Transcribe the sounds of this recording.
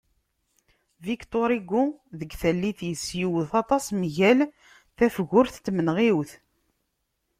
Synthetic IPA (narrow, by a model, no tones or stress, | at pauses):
vikt̪ˤoɾiɡːuðəɡθælːiθjəsːjiwθɑt̪ˤɑsmʝæl | θæfɣʊɾθt̪ːmənʁiwθ